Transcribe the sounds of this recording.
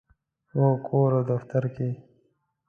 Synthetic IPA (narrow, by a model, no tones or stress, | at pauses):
woːkoːɾoːd̪əft̪əɾkeː